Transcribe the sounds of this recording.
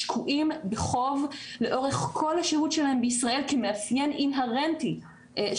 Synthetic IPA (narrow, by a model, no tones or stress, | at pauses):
ʃkʰuʔimbeχo̞vle̞ʔo̞ʁeχkʰo̞lhaʃehutʃelaɦembeisʁae̞lkemeafjeninɦaʁenti